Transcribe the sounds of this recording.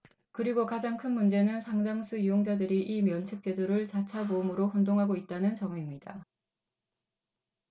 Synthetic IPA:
kɯɾiɡokad͡ʑaŋkʰɯnmund͡ʑe̞nɯnsʰaŋd͡ʑaŋsʰujujoŋd͡ʑadɯɾiʔimjʌnt͡ɕʰɯk̚t͡ɕ͈e̞duɾɯɭt͡ɕat͡ɕʰaboɯmɯɾoɸʌndoŋɦaɡoit̚t͈anɯnt͡ɕʌŋuimɲid̥a

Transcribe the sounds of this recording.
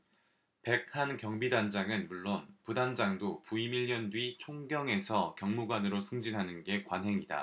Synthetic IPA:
pe̞k̚hankjʌŋbidand͡ʑaŋɯnmuɭːonpudand͡ʑaŋdopuimiʎːjʌndɥit͡ɕʰoŋɡjʌŋe̞sʰʌkjʌŋmuɡwanɯɾosʰɯŋd͡ʑinɦanɯnɡe̞kwanɦe̞ŋida̰

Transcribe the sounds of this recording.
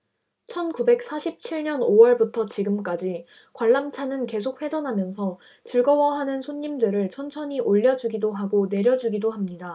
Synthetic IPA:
t͡ɕʰʌnkube̞k̚s͈aɕʰip̚t͡ɕʰiɭɲʌnowʌɭbutʰʌt͡ɕiɡɯmk͈ad͡ʑi | kwaɭːamt͡ɕʰanɯnke̞s̬ʰok̚ɸwe̞d͡ʑʌnɦamjʌnsʰʌ | t͡ɕɯɭɡʌwʌɦanɯnsʰoɲːimdɯɾɯɭt͡ɕʰʌnt͡ɕʰʌɲiʔoʎːʌd͡ʑuɡidoɦaɡone̞ɾjʌd͡ʑuɡidohamɲida

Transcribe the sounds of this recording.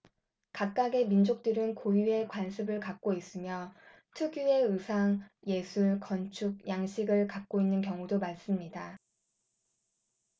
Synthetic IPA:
kak̚k͈aɡe̞mind͡ʑok̚t͈ɯɾɯnkojue̞kwansʰɯbɯɭkak̚k͈ois͈ɯmjʌ | tʰuɡjue̞ɯsʰaŋje̞sʰuɭkʌnt͡ɕʰuɡ̚jaŋɕʰiɡɯɭkak̚k͈oinːɯnkjʌŋudomaɭs͈ɯmɲida

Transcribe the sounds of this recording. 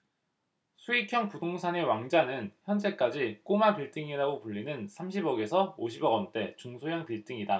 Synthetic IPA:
sʰuikʰjʌŋpudoŋsʰane̞waŋd͡ʑanɯnçjʌnd͡ʑe̞k͈ad͡ʑik͈omapiɭt͈ɯŋiɾaɡopuʎːinɯnsʰamɕʰibʌɡe̞sʰʌoɕʰibʌɡʌnt͈e̞t͡ɕuŋsʰojaŋpiɭt͈ɯŋida

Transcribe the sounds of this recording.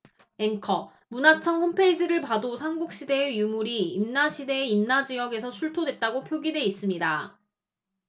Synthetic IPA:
e̞ŋkʰʌ | munat͡ɕʰʌŋhompʰe̞id͡ʑiɾɯɭpadosʰaŋɡuk̚ɕ͈ide̞ːjumuɾiːmnaɕʰide̞ːimnad͡ʑijʌɡe̞sʰʌt͡ɕʰuɭtʰodwe̞t̚t͈aɡopʰjoɡidwe̞is͈ɯmɲida

